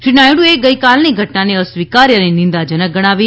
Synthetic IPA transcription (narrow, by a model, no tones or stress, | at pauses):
ʃinajɽũeɡəjkalniɡʱəʈnaneəsʋikaɾjənenɪ̃nd̪ad͡ʒənək̚ɡəɽ̃aʋi